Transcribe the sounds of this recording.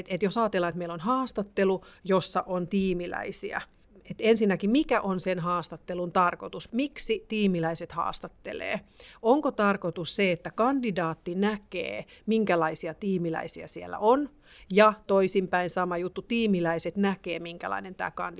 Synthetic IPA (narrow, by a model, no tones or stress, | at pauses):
t̪et̪josɑːt̪elːɑnet̪meilonhɑːst̪ɑt̪ːelujosːɑʔont̪iːmilæ̰isiæ̰ | et̪ensinːækimikæʔonsenɦɑːst̪ɑt̪ːelunt̪ɑrkot̪usmiksit̪iːmilæiset̪hɑ̰ːst̪ɑt̪ːḛlḛːoŋkot̪ɑrkot̪usseet̪ːækɑndidɑːt̪ːinækḛːmiŋkælɑisiɑt̪iːmilæ̰isiæ̰sielːæ̰ʔon | jɑt̪oisimpæinsɑmɑjut̪ːut̪iːmilæiset̪nækeːmiŋkæ̰lɑ̰inent̪æ̰ːkɑ̰ndi